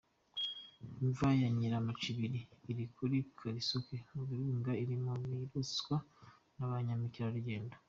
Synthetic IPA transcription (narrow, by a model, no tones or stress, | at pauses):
iɱvajaɲiɾamat͡ʃiβiɾiːɾikʰuɾikʰaɾisokeoβuɾuːŋɡaiɾimomiɾoswa | naβaɲamiciɾaɾuɟe̞ːndḁ